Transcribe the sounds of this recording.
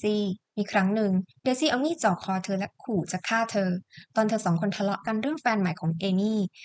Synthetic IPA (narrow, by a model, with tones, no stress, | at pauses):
siː˥˩miː˧kʰɾa˦˥ŋnɯ˨˩ŋdeː˧siː˥˩ʔa˧wniː˥˩t͡ɕɔː˨˩kʰːɔː˧t̪ʰɤː˧lɛ˦˥ʔkʰuː˨˩t͡ɕaː˨˩kʰːaː˥˩t̪ʰɤː˧t̪ɔː˧nt̪ʰɤː˧sɔː˩˦ŋkʰo˧nt̪ʰa˧lɔ̰˦˥ʔka˧nɾɯ˥˩əŋfɛː˧nma˨˩˦jkʰɔː˩˦ŋʔeː˧niː˥˩